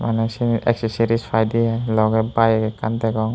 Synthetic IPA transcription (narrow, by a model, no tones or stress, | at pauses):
manɛsinɛ̰ksesiɾispʰajdialɔɡɛbajɡɛkant̪ɛɡɔŋ